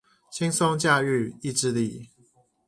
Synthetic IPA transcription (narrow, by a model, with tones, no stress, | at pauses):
t͡ɕʰi˥˦ŋso˥ŋt͡ɕja˥˧y˥˨i˥˧ʈ͡ʂɻ̩˥˧li˥˨